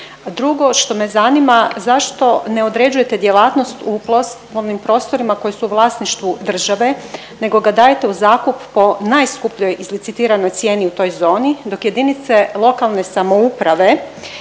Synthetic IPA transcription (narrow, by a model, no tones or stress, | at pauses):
d̪ɾuɡo̞ʃt̪o̞me̞zanimazaʃt̪o̞ne̞od̪ɾed͡ʒuje̞t̪ed̪jelaːt̪no̞st̪uplos | olnimpɾo̞ːst̪o̞ɾimako̞jesuːʋlˠaːsniʃt̪ʋud̪r̩ʒaʋe̞ | ne̞ɡo̞ɡad̪aːjet̪e̞uzaːkuppo̞najskupʎo̞jʔizlit̪sit̪iːɾano̞jt̪sje̞ːniut̪o̞jzo̞ːnid̪o̞kje̞d̪init̪se̞lˠo̞kalˠne̞samo̞upɾaʋe̞